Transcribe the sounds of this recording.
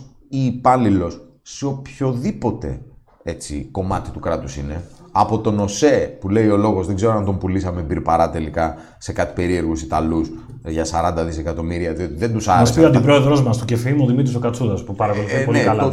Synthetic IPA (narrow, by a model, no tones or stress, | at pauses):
iːpɐnlilo̞sː | eopço̞ðipo̞t̪e̞̰ | e̞t͡sḭko̞mɐt̪it̪ukɾɐt̪usine̞ɐpo̞t̪o̞no̞se̞pule̞io̞lo̞ɣo̞zðeɡze̞ɾoɐnd̪ompulisɐmebiɾpɐɾɐt̪e̞likɐ | se̞kɐt̪i̥pe̞ɾie̞ɾɣusit̪ɐlus | ʝɐsɐɾɐnd̪ɐðisekɐt̪o̞miɾiɐðio̞t̪iðe̞nd̪usɐɾeɐsiɐnd̪ipɾoeðɾo̞zmɐst̪ucefimuoðimit̪ɾiso̞kɐt͡suðɐspupɐɾɐkoluipoliekɐl